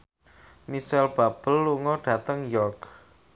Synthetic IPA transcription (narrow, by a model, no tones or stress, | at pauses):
misɛlb̥a̤b̥ə̤lːuŋɔɖ̥ä̤t̪əŋjɔrɡ